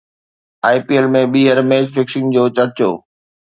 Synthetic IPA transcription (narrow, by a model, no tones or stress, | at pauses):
aːipielmẽɓiːɦəɾmeːd͡ʑfɪksɪ̃ŋd͡ʑoːt͡ɕɐɾt͡ɕo̰ː